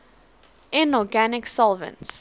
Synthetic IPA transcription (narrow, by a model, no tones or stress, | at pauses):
ɪ̃nɔɡænɪksɔlˠvə̰̃nts